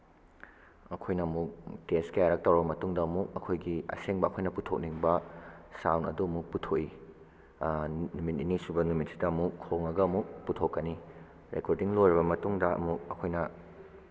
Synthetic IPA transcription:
ɐkʰojnɐmuk̚teskɐjaɾɐk̚tɐwɾɐbɐmɐtuŋdɐɐmuk̚ɐkʰojɡiɐ̰seŋbɐɐkʰojnɐputʰok̚niŋbɐsawnɐ̰duɐmuk̚putʰoʔi | numit̚inisubɐnumit̚sidɐmukʰːoŋɐɡɐɐmuk̚putʰokːɐni | ɾekoɾdiŋlojɾibɐmɐtuŋdɐɐ̰muk̚ɐkʰojnɐ

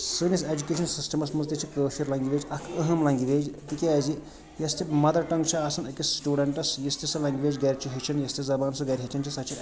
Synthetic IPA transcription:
sɨnised͡ʒukʲeːʃʰɐnsisʈɐmɐsmɐnzt̪it͡ʃʰikəːʃiɾlɐŋɡiʋeːd͡ʒʲɐkʰəɦɐmlɐŋɡiʋeːd͡ʒt̪ikʲeazi | jɐst̪ʰimɐd̪ɐɾʈɐŋɡt͡ʃʰiaːsɐnɐkʲisːʈuːɖɐɳʈɐsjist̪ʰisɐlɐŋɡʋeːd͡ʒɡɐɾʲt͡ʃʰiɦet͡ʃʰɐnjɐst̪ʰizɐbaːnsɐɡɐɾʲɦit͡ʃʰɐnt͡ʃʰisɐt͡ʃʰi

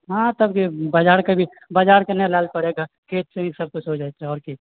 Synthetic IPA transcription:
ɦãt̪əbkibad͡ʒaːɾkebʱi | bad͡ʒaːɾkenɛlaːlpəɽeɡa | kʰeːt̪̚sẽisəb̚kʊt͡ʃʰɦod͡ʒat͡ʃʰɛɔːɾki

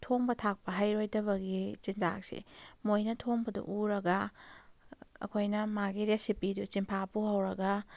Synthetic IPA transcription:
tʰoŋbɐtʰak̚pɐɦajɾojdɐβɐɡit͡ʃinza̰ksḭmojnɐtʰoŋbɐdṵʔuɾɐɡɐ | ɐ̰kʰojnɐmaɡiɾesipidut͡ʃimpʰapuɦawɾɐɡɐ

